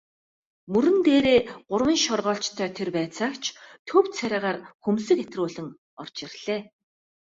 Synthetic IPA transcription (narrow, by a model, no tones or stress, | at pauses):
mɵɾɘ̆nt̪eːɾeːɢʊrwə̆nʃɔrʁɔːɬt͡ɕt̪ʰœːt̪ʰerpæːt͡saːkt͡ɕʰt̪ʰɵwt̪sʰæɾʲaːʁaːrxɵmsɘ̆ket̪rʊːɮɘ̆ŋ | ɔr̥t͡ɕɪ̆rɮ̥eː